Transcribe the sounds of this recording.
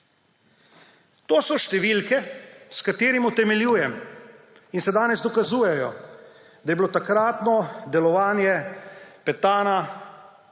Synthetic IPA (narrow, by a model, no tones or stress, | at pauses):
t̪oːsɔʃt̪ɛʋiːlkɛskat̪eːɾimut̪ɛmɛljuːjɛm | insɛd̪aːnɛzd̪ɔkazuːjɛjɔ | d̪ajɛbilot̪akɾaːt̪nɔd̪ɛlɔʋaːnjɛpɛt̪aːna